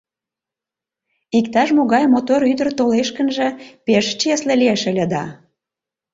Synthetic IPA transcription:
ikt̪ɑʃmoɣɑjmot̪oɾyd̪ərt̪oleʃkə̆nʒə̆peʃt͡ɕeslĕlieʃə̆lʲə̆d̪ɑ

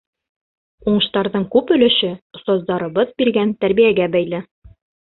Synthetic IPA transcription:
uɴɤ̆ʃt̪ɑɾðɤɴkʉpɵ̆lɘ̆ʃɘŏst̪ɑzd̪ɑɾɤ̆bɤðbiɾɡænt̪æɾbijæɡæbæjlɘ

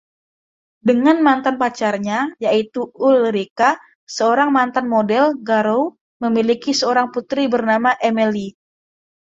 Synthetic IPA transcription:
dəŋanmant̪anpat͡ʃarɲajait̪uʊlɾika | səoɾaŋmant̪anmodɛlɡaɾow | məmilikisəoɾaŋput̪ɾibərnamaʔemeli

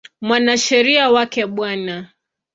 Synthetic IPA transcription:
mwanaʃɛɾiawakɛɓwana

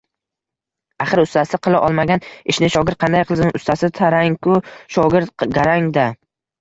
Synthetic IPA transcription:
aχɨɾʊst̪ʰasɪqʰɨlˠaʔɒlˠmaɡʲanɪʃnɪʃɒɡʲɪɾt̪̚qʰɑnd̪ajqʰɨlˠzɪŋʊst̪ʰasɪt̪ʰaɾaŋkʊʃɒɡʲɪɾt̪ɡʲaɾaŋd̪a

